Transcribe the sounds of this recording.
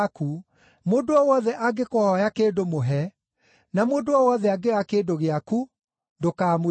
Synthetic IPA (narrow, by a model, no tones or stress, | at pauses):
ku | moːdoɔwɔðɛʔaɡekɔhɔjakeːdomoɦɛ | namoːdoɔwɔðɛaɡeɣakeːdoɣeaku | ndokaːmo